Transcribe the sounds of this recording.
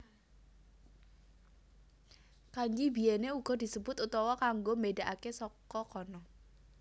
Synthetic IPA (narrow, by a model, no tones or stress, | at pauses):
kaɲd͡ʒibieneuɡ̥ɔdisəbut̪ut̪ɔwɔkaŋɡomedaʔakɛsɔkɔkɔnɔ